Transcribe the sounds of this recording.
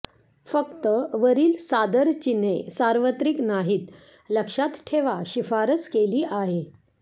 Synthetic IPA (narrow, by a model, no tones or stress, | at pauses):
fəkt̪əʋəɾiːlsad̪əɾt͡ɕinesaɾʋət̪ɾiknaɦiːt̪ | ləkʂat̪ʈʰeʋaɕifaɾət͡skeliːʔaɦe